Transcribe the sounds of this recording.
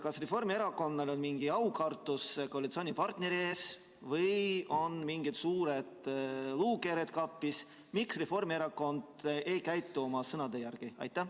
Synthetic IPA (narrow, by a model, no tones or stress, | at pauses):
kɑsre̞fo̞rmie̞ɾɑko̞nːɑlonmiŋɡ̥iɑwkɑrt̪ːˑuskolit̪so̞ːnʲipɑrt̪ne̞ɾie̞ːs | vɤjo̞nmiŋɡ̥it̪suːɾe̞d̪̥luːke̞ɾet̪̚kɑpːis | miksre̞fo̞rmieɾɑko̞nd̪̥e̞jkæjt̪ːˑuo̞mɑsɤnɑd̪̥ejærɡ̥iɑ̰jt̪ːˑæ